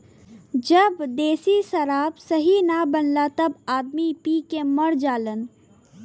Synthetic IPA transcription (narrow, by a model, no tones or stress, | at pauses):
d͡ʒəbd̪esisəɾabsəɦinabənlat̪əbad̪mipikeməɾd͡ʒalən